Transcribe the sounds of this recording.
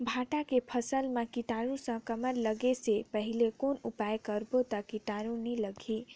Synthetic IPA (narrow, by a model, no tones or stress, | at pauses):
bʱaʈakepʰəsəlmakiʈaɾũsə̃kəməɾləɡesepəɦilekonupajkəɾbot̪əkiʈaɾũniləɡʱi